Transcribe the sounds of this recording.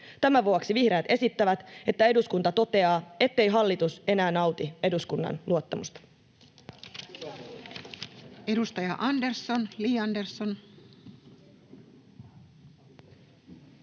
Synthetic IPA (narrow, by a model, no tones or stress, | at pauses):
t̪æmæʋuoksiʋihɾe̞ːt̪e̞sit̪ːæʋæt̪e̞t̪ːæe̞duskunt̪ɑt̪o̞t̪e̞ɑːe̞t̪ːe̞jɦɑlːit̪use̞næːnɑwt̪ie̞duskunːɑ̰nluot̪ːɑmust̪ɑ̥ | e̞dust̪ɑjɑʔɑndersːonliːɑndersːon